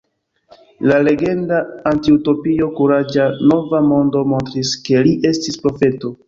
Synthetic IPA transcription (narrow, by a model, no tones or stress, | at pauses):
lale̞ɡe̞ndaːntiuto̞pio̞kuɾad͡ʒano̞vamo̞ndo̞mo̞ntɾiske̞liʔe̞stispɾo̞fe̞to̞